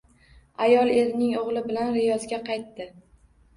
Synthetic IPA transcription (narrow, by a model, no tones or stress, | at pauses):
ajɒlˠe̞ɾnɪŋoʁlˠɪbɪlanɾɪjɒzɡʲaqɑjt̪ːɪ